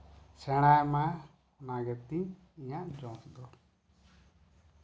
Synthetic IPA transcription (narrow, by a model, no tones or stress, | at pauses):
sɛɽ̃ajma | ɔnaɡɛt̪i | ijaʔd͡ʒɔ̃sd̪ɔ